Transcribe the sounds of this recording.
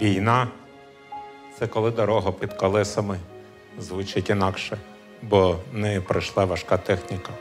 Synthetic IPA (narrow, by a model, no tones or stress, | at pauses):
ʋʲijnɑ | t̪sɛkɔlˠɪd̪ɔɾɔɦɔpid̪kɔlˠɪsɐmɪ | zʋʊt͡ʃɪtʲinɑkʃɛ | bɔnɛpɾɪjʃlˠɑʋɐʃkɑt̪ɛxnʲikɐ